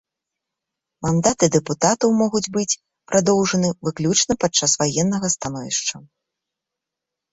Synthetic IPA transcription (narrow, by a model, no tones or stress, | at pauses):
mand̪at̪ɨd̪ɛput̪at̪ɐwmɔɣud͡zʲbɨt͡sʲ | pɾʔad̪ɔwʐɐnɨvɨklʲut͡ʂnɐpat͡ʂːasvajɛnːɐɣɐst̪anɔvʲiʂt͡ʂɐ